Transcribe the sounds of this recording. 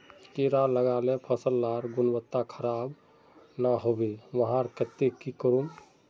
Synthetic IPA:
keɾaləɡalepʰəsəlːaɾɡunbət̪ːakʰəɾab | naɦobeʋəɦãɾkət̪ːekikəɾum

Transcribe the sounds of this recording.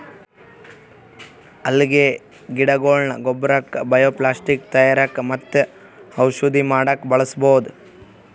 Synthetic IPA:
ɐlːiɡe | ɡiɽɐɡoːlɳɐɡobɾɐkːbɐjoːplaːsʈik̚t̪ɐjaːɾɐkmɐt̪ːe | ɐwʃud̪imaːɽɐkbɐɭɐsbowd̪u

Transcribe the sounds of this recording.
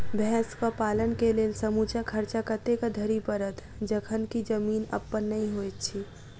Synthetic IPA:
bʱɛ̃ːskəpaːlənkeleːlsəmut͡ʃakʰəɾt͡ʃakət̪ekad̪ʱəɾipəɾət̪ | d͡ʒəkʰənkid͡ʒəmiːnə̰pːənːəĩɦojt̪t͡ʃʰi

